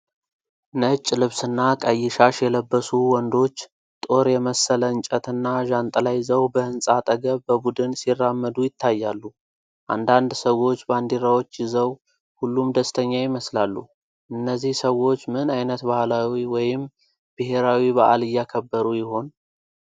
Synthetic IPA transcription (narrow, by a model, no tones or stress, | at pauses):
nət͡ʃʼːlɨβsɨnːakʼəjːɪʃaʃjɛləbːəsuwɔnd̪o̞t͡ʃː | t̪ʼo̞ɾjɛməsələɨnt͡ʃʼət̪ɨnːaʒant̪ʼlajzəwbəɨnsʼat̪ʼəɡəβbəbud̪ɨnsirːamːəd̪ujɪt̪ʰːajːalːu | ʔa̰nd̪and̪səwo̞t͡ʃːband̪iɾawo̞t͡ʃːjɪzəw | hulːumd̪əst̪ʰəɲːajɪməslalːu | ʔɨnːəzːihsəwo̞t͡ʃːmɨnajnət̪bahlawiwɔjɪm | b̥ɨɦe̞ɾawiβaʔalɨjːakʰəbːəɾujɪho̞n